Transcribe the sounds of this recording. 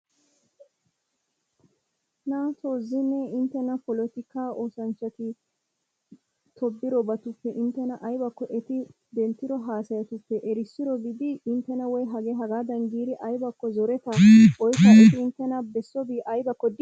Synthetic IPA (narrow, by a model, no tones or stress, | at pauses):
naːt̪oːzːɪnːɛɪnt̪ːɛnɐpɔlɔt̪ɪkaːʔoːsɐnt͡ʃːɐt̪ɪ | t̪ʰɔbːɪɾɔbɐt̪ʊpːɛʔɪnt̪ːɛnɐʔɐjbɐkːɔʔɛt̪ɪ | d̪ɛnt̪ːɪɾɔɦaːsɐjɐt̪ʊpːɛʔɛɾɪsːɪɾɔbɪd̪ɪːnt̪ːɛnɐwɔjɦɐɡeɦɐɡaːd̪ɐŋɡiːɾɪʔɐjbɐkːɔzɔɾɛt̪ɐʔɔjkːɐɛt̪ɪɪnt̪ːɛnɐbɛsːɔbiːʔɐjbɐkːɔd̪ɪ